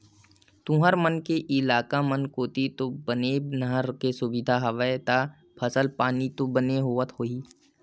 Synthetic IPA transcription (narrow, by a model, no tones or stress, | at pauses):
t̪ũɦəɾmənkeʔɪlaːkamənkoːt̪it̪obənenəɦəɾkesʊbɪd̪ʱaɦɐʋət̪a | pʰəsəlpaːnit̪obəneɦoːət̪ɦoːiː